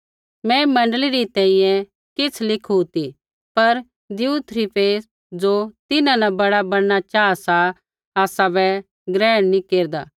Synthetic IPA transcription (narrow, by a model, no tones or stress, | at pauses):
mɛ̃mɐ̃ɳɖəliɾit̪ɛ̃ːĩjɛ̃ | kɪt͡sʰlɪkʰɦut̪i | pɐɾ | d̪ɪut̪ʰɾipeːs | d͡ʒot̪ɪnãnabɐɽabɐɽñat͡ʃaːasa | aːsabɛ | ɡɾɛːɽ̃nĩkeːɾd̪a̰ː